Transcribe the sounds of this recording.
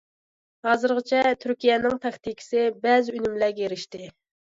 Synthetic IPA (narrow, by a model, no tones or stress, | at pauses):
hɑːzɨɾʁɨt͡ʃʰɛt̪ʰyɾkʲijɛnɪŋt̪ʰɛxt̪ikʲʰi̥sɪbɛzɪynymlæɡʲeɾɪʃt̪ɪ